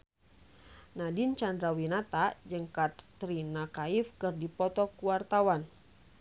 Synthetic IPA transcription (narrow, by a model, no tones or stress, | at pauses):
nadint͡ʃandɾawinat̪ad͡ʒəŋkat̪ː | ɾinakaifkɨrdipɔt̪ɔkuwart̪awan